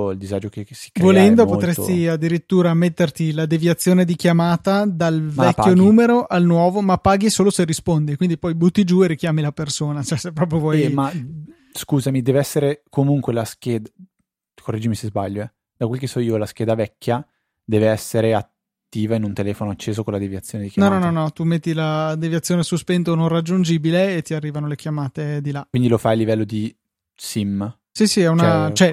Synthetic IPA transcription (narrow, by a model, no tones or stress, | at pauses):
ild̪izad͡ʒokesi̥kːɾvolɛnd̪opot̪ɾest̪iad̪ːiɾit̪ːuːɾamet̪ːert̪ilad̪evjat̪sːjoːned̪ikjamaːt̪ad̪alvɛkːjonuːmeɾoʔalnwɔːvomapːaːɡisoːloserispond̪ikwind̪ipɔjbut̪ːid͡ʒueɾikjaːmilapersoːnat͡ʃɛsepːɾɔːp̬ɾjovwɔjma | skuːzamid̪ɛːveɛsːeɾekomuŋkwelask̟eːd̪a | kored͡ʒːimisezba̰ʎːoɛ | d̪akwelk̬esːɔiːolask̟ɛːd̪avɛkʲːja | d̪ɛːveɛsːeɾeat̪ː | iːvainunt̪elɛːfonoat͡ʃːeːzokonlad̪evjat̪sːjoːned̪ikjanɔnɔnɔnɔt̪umet̪ːilad̪evjat̪sːjoːnesuspɛnt̪onõnrad͡ʒːund͡ʒiːbileːt̪ːiarːiːvanolek̟jamaːt̪ed̪ilakwind̪ilofajalːivɛlːod̪i | sim | sisiɛunat͡ʃoɛ